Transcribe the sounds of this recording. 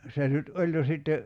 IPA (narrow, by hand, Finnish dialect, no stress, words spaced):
se nyt olʲ jo sitːe